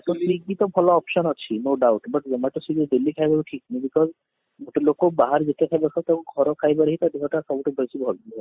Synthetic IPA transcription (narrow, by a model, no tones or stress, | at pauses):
sɔnbiɡit̪ɔbʱɔlɔːpʃɔnɔt͡ʃʰinoɖawʈbəʈzemaʈɔsided̪ilikʰajbaɾuʈʰiknibikɔz | muʈelokobaɦaɾd͡ʒet̪jakʰajbakʰat̪akuɡʱɔɾɔkʰajbaɾeɦit̪ad̪iɦɔʈasabuʈebʱɔjsibʱɔba